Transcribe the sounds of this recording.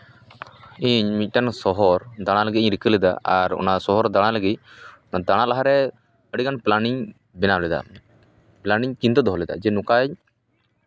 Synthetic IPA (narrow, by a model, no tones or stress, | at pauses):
iɲmic̪̚ˀʈansɔɦɔɾd̪aɽ̃aləɡit̪ɲɾikəlɛd̪a̰a̰ɾɔ̰nasɔɦɔɾd̪aɽ̃aləɡinad̪aɽ̃alaɦaɾɛ | əɽikanplaniɲ | bɛnalɛd̪a̰ | planiɲkint̪ɔd̪ɔɦɔlɛd̪a̰d͡ʒɛnukaɲ